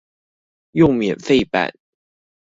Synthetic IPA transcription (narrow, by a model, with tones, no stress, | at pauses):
jʊ˥˨ŋmjɛ̰˨˩nfe˥˨ɪpa̰˨˦n